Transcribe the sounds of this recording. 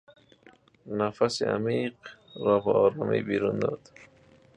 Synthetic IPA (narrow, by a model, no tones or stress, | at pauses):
nafasɪ̰a̰miqɾɔːbaɔːɾɔːmḭjbiɾund̪ɔd̪